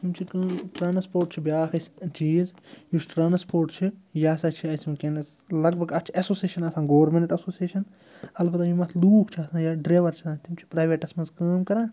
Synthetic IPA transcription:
t̪imt͡ʃʰikɐːmʈɾaːnspoːɾʈt͡ʃʰibʲjaːkʰɐst͡ʃiːzjusʈɾaːnspoːɾʈt͡ʃʰijaːsɐt͡ʃʰiɐsmkenɐs | lɐɡ̚bʱɐɡɐt͡ʃʰiɐsoːseːʃɐnɐsãːɡoːɾmenʈɐsoːsieːʃɐn | ɐlbɐt̪ɐjimɐt̪ʰluːkʰt͡ʃʰiɐsãːjaɖɾeːʋɐɾt͡ʃʰiãːnt̪imt͡ʃʰi̥pɾaːʋeʈɐsmɐnzkɐːmkɐɾãː

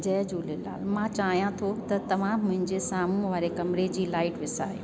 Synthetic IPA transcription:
d͡ʑɐːd͡ʑuːlela̰ːlmãt͡ɕaːɦijãt̪ʰot̪ɐt̪ɐʋãːmːʊ̃ɦɪ̃ɲd͡ʑesaːmũʋaːɾekɐmɪɾed͡ʑiːlaːɪʈʋɪsaːe

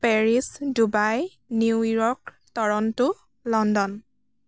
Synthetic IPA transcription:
pɛɹisdubaj | nujɔɹk | tɔɹɔntʊ | lɔndɔn

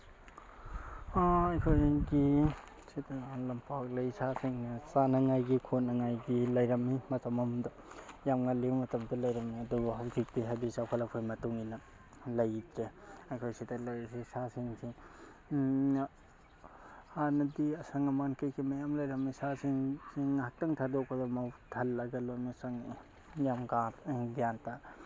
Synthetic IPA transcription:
aɐjkʰojɡi | sidɐlɐmpak̚lɐjsasiŋnɐsanɐŋajɡikʰot̚nɐŋajɡilɐjɾɐmimɐtɐmɐmdɐ | jamŋaliwmɐtɐmdɐlɐjɾɐmiɐdubɐɦawzik̚diɦadisawkʰɐlɐkʰojmɐtuŋinɐ | lɐjtɾeɐjkʰojsidɐlɐjsisasiŋsiŋ | hanɐdiɐsɐŋɐmankɐjkʰimɐjamlɐjɾɐmisasiŋsiŋhak̚tɐŋtʰadok̚pɐdɔmwtʰɐlːɐɡɐlojmisaŋ | jamɡaɾɡijanta

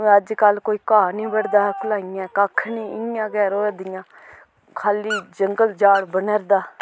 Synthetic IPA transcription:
əd͡ʒkəlkoːiːkaːnĩːbəɽd̪aːkʰʊlaːɪjãːkaːkʰːnĩːɪjãːɡɛːɾõːəd̪ɪjãː | kʰaːliːd͡ʒəŋɡəld͡ʒaːɽbənəɾd̪aː

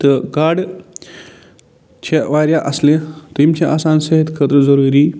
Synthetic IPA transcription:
t̪əɡaɾɖ | t͡ɕʰeʋaɾjaʔəslẽt̪imt͡ɕeʔaːsansəɦet̪kʰət̪ɾəd͡zɐɾuːɾiː

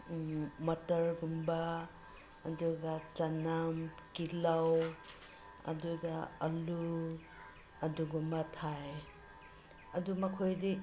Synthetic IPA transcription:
mɐtɐɾɡumbaː | duɡat͡ʃanamkilaw | ɐ̰duɡaɐlu | ɐduɡumɐtʰaj | ɐdumɐkʰojdi

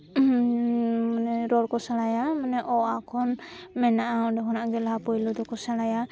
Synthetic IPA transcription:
mnɛɾɔɾkɔsalajamanɛʔɔakʰɔnmɛnaʔaɔdɔɦɔnaʔɡɛlaɦapɔjlɔd̪ɔkɔsalaja

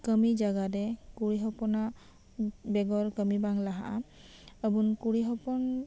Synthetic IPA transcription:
kəmid͡ʒaɡadɛkuɽiɦɔpɔna | bɛɡɔɾkəmibaŋlaɦa̰ʔa | əbunkuɽiɦɔpɔn

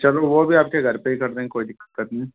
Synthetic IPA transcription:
t͡ʃɐloʋobʱiaːp̚keɡʱɐɾpeɦikɐɾd̪ẽːkoːid̪ɪkːəkːət̪nɐĩ

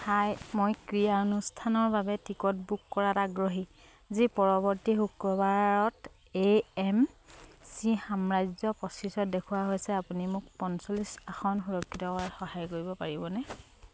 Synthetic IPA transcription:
hajmojkɹijanustʰanɔɹbabɛtikɔt̚bukːɔɹataɡɹoɦi | zipɔɹɔbɔɹtixukːɔbaɹɔt | eɛmsixamɹajzɔpɔsisɔt̚dekʰuwaɦojsɛapunimʊk̚pɔnsɔlisaxɔnxuɹɔkʰːitɔkɔɹaxɔɦajkoɹibɔpaɹibɔnɛ

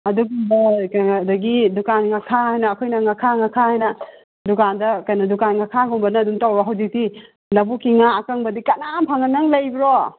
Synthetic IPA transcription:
ɐduɡumbɐkːdɐɡidukanŋakʰahajnɐːkʰɔjnɐŋakʰaŋakʰahajnɐ | dukandɐkɐjnɐdukanŋakʰaɡumbɐnɐːdumtawbaɦawdik̚ti | lɐbukiŋaːkaŋbɐdikɐnampʰaŋɐnːɐŋlɐjbiɾɔ

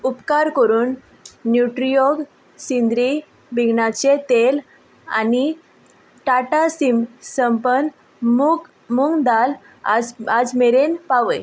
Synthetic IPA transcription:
upkaɾkəɾuːnː | juʈɾijoɡ | sind̪ɾi | bʱiɡʱɳat͡ɕet̪el | a̰ni | ʈaʈasimsəmpən | muk | muŋɡd̪al | ad͡zmeɾenpaʋəj

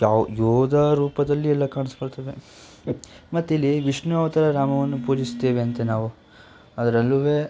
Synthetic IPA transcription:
jajoːd̪ɐɾuːpɐd̪ɐlːiɛlːɐkaːɳiskoɽt̪eːʋe | mɐt̪ːilːiʋiʂɳuɐʋɐt̪ɐɾɐɾaːmɐʋɐnːupuːd͡ʒist̪eːʋeɐnt̪enaːʋu | ɐd̪ɐɾɐlːuʋeː

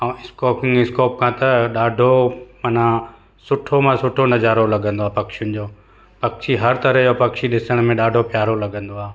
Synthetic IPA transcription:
ãɪskoːkɪ̃ŋɡɪskoːp̚kʰãːt̪ɐɗaːɖʱomɐnã | sʊʈʰomãsʊʈʰonɐd͡ʑaːɾolɐɠə̃nd̪oaːpɐkʃjʊnɪ̆d͡ʑoː | pɐkʃʰiɦɐɾt̪ɐɾəɦjopɐkʃiɗɪsəɽ̃mẽɗaːɖʱopjaːɾolɐɠə̃nd̪oaː

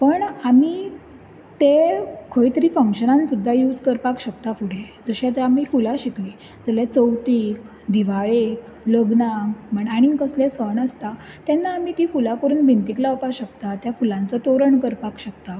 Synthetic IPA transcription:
pəɳami | t̪ekʰəjt̪əɾiːfəŋkɕənãnsud̪ʱːajuːd͡zkəɾpakɕək̚t̪afuɽ̤ed͡zəɕat̪eamifulaɕikliː | d͡zəljat͡səwt̪iːk | d̪iʋaɭek | ləɡnaməɳaɽ̃ikəslesəɳəst̪a | t̪janːaːmit̪iːfulakəɾuːnbʱint̪iklawp̪aɕəkt̪at̪jafulãnt͡sɔt̪oɾəɳkəɾpakɕək̚t̪a

